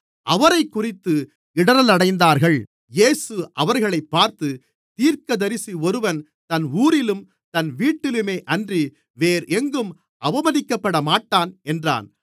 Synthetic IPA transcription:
ʔɐʋɐɾɐɪkːʊrɪt̪ːɯ | ɪɽɐɾɐlɐɽɐɪnd̪aːɾɣɐɭ | jeːsɯʔɐʋɐɾɣɐɭɐɪpːaːɾt̪ɯ | t̪iːɾkɐðɐɾɪsiɔɾɯʋɐn | t̪ɐnuːɾɪlɯm | t̪ɐnʋiːʈːɪlɯmeːʔɐndri | ʋeːɾɛŋɡɯm | ʔɐʋɐmɐðɪkːɐpːɐɽɐmaːʈːaːnɛndra̰ːn

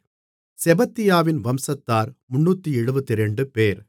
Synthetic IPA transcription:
sɛbɐt̪ːɪjaːʋɪnʋɐmsɐt̪ːaːɾmʊɳːuːt̪ːiɛɻɯbɐt̪ːɪɾɛɳɖɯpeːɾ

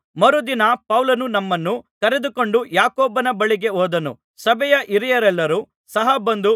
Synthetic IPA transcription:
mɐɾud̪inɐpɐwlɐnunɐmːɐnːukɐɾe̞d̪uko̞ɳɖujaːkoːbɐnɐbɐɭiɡe̞ɔːd̪ɐnṵ | sɐbɛjɐʔiɾijɐɾɛlːɐɾu | sɐɦɐbɐnd̪u

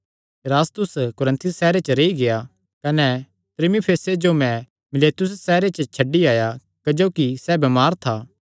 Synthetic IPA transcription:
ɾaːst̪ʊskʊɾə̃nt̪ʰʊsːɛːɾet͡ʃəɾeiɡeja | kɐnɛ | t̪ɾɪmipʰeːsed͡ʒomɛ̃ | mɪleːt̪ʊs̬ːɛːɾet͡ʃət͡ʃʰɐɖːiaːja | kɐd͡ʒoːkisɛbɐmaːɾt̪ʰaː

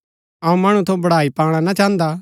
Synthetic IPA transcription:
ɐːũmɐɽ̃ũt̪ʰobɐɽ̤aːipaːɽ̃anat͡ʃãːnd̪a

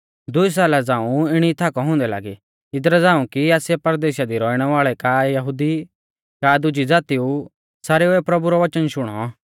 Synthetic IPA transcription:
d̪ʊis̬aːlad͡zãːũɪɽ̃it̪ʰaːkɔɦʊ̃ːnd̪ɛla̰ːɡi | ɪd̪ɾɛd͡zãːũkiɛːsɛpɐɾd̪eːʃad̪iɾɔːiɽ̃ɛʋaːɭɛkajɐɦʊːd̪i | kad̪ʊd͡ʒid͡zaːt̪iu | saːɾeɛpɾɐbuɾɔʋɐt͡ʃənʃʊɽ̃ɔ̰

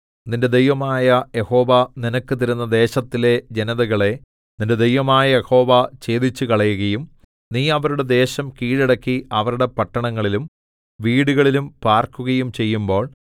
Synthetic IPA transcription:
ninde̞d̪ejʋɐmaːjɐje̞ho̞ːʋɐninɐkːɨt̪iɾunːɐd̪e̞ːɕɐt̪ːile̞d͡ʑenɐðɐɣɐɭe̞ | ninde̞d̪ejʋɐmaːjɐjeho̞ːʋɐt͡ɕe̞ːd̪it͡ɕːukɐɭɐjuɣɐjum | niːɐʋɐɾuɽe̞d̪e̞ːɕɐmkiːɻiɽɐkːiɐʋɐɾuɽe̞pɐʈːɐɳɐŋːɐɭilum | ʋiːɽuɣɐɭilumpaːrkuɣɐjumt͡ɕe̞jːumbo̞ːɭ

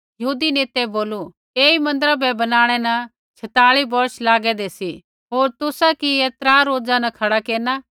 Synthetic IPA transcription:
jɐɦuːd̪ineːt̪ɛboːlu | eːimɐ̃nd̪əɾabʱɛbɐnaːɽ̃ɛnɐ | t͡ʃʰɐt̪aːɭibɔɾslaːɡɛd̪esi | ɦoːɾt̪ʊsakiet̪ɾaːɾoːd͡zãnɐkʰɐɽakeːna

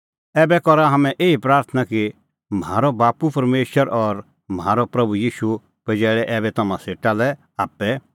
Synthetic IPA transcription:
ɛːbɛkɔɾaɦɐmɛ̃ʔeːipɾaːɾt̪ʰənaki | mɦaːɾɔbaːpupɐɾmeːʃwəɾʔɔɾ | mɦaːɾopɾɐbujiːʃu | pɛd͡ʒɛːɭɛʔɛːbɛt̪ɐmãseːʈalɛ | aːpːɛ

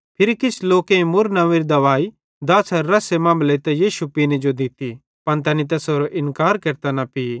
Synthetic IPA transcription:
pʰɪɾikɪsʰloːkẽĩmʊɾnɐ̃ʋiɾid̪ɐʋaːi | d̪ɐsɐɾːɐsemɐ̃ːmblet̪ɛjiːʃupinẽd͡ʒod̪ɪt̪i | pɐnt̪ɛnit̪̬ɛsɦoːɾoʔɪ̃nkaːɾkɐɾt̪anɐpi

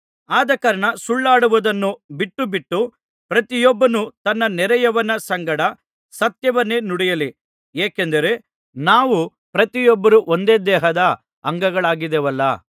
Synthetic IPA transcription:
aːd̪ɐkɐɾɐɳɐsuɭːaːɽuʋud̪ɐnːubiʈːubiʈːu | pɾɐt̪ijɔbːɐnut̪ɐnːɐnɛɾɛjɐʋɐnɐsɐŋɡɐɽɐ | sɐt̪jɐʋɐnːe̞ːnuɽɛjɐli | eːkend̪ɐɾe̞ | naːʋu | pɾɐt̪ijɔbːɐɾuʔond̪e̞ːd̪ɛːɦɐd̪ɐ | ɐŋɡɐɡɐɭaːɡid̪ɛʋɐlːɐ̰

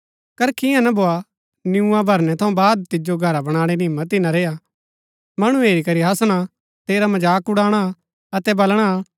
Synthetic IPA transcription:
kɐɾkʰɪjãnɐbʱoːa | njũãbʱɐɾnɛt̪ʰɐũbaːd̪̚t̪ɪd͡ʒoɡʱɐɾabɐɽ̃aːɽ̃inɪmːət̪ɪnãɾeːja | mɐɽ̃ũeːɾikɐɾiɦɐsɽ̃a | t̪eːɾamɐd͡ʒaːkʊɽaːɽ̃a | ɐt̪ɛbɐlɽ̃a

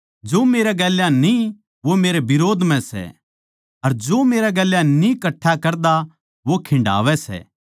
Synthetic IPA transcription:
d͡ʒoːmeːɾɛɡɛːljãnĩ | ʋomeːɾebɪɾoːd̪ʱmɛ̃sɛ̰ | ɐɾd͡ʒoːmeːɾɛɡɛːljãnĩkɐʈʰːakɐɾd̪a | ʋokʰɪ̃ɳɖa̰ːʋɛsɛ̰ː

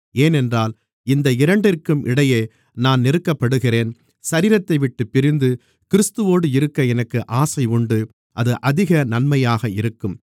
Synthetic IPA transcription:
eːnɛndraːl | ɪnd̪ɐɪɾɐɳɖɪrkɯmʔɪ̰ɽɐjeː | naːnnɪɾɯkːɐpːɐɽɯɣɪreːn | sɐɾiːɾɐt̪ːɐɪʋɪʈːɯpːɪɾɪnd̪ɯ | kɪɾɯst̪ɯʋoːɽɯɪɾɯkːɐɛnɐkːɯʔaːsɐɪʊɳɖɯ | ʔɐðɯʔɐðɪɣɐnɐnmɐjaːɣɐɪɾɯkːɯm

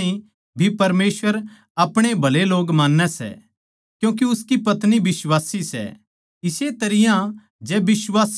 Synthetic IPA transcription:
ĩ | bʱipɐɾmeːswʋəɾ | ɐpɽ̃ebʱɐleloːɡmãːnːɛsɛ̰ | kjũːk̬iʊskipɐt̪nibɪswaːsisɛ̰ | ɪset̪ɐɾɪjã | d͡ʒɛbɪswaːs

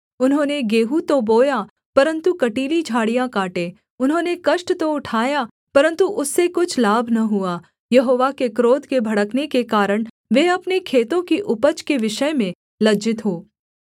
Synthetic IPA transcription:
ʊnɦõːneɡeːɦut̪oboːja | pɐɾə̃nt̪ukɐʈiːlid͡ʒʱaːɽijãkaːʈeː | ʊnɦõːnekɐʃʈt̪oʊʈʰaːja | pɐɾə̃nt̪uʔʊsːekʊt͡ʃʰlaːbʱnɐɦʊaː | jɐɦoːʋakekɾoːd̪kebʱɐɽəknekekaːɾəɽ̃ | ʋeɐpnekʰeːt̪õkiʔʊpət͡ʃkeʋɪʃəjmẽ | lɐd͡ʒɪt̪ɦoː

